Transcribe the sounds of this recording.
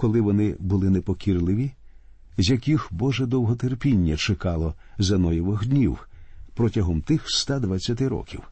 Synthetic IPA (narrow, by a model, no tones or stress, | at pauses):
kɔlˠɪʋɔnɪbʊlˠɪnepɔkʲirlˠɪʋʲi | zʲjɐkʲixbɔʒɛd̪ɔwɦɔt̪erpʲinʲːɐt͡ʃekɑlˠɔ | zɐnɔjɔʋɪxd̪ʲnʲiwpɾɔtʲɐɦɔmt̪ɪxst̪ad̪ʋɐt͡sʲːɐt̪ɪɾɔ̰kʲiw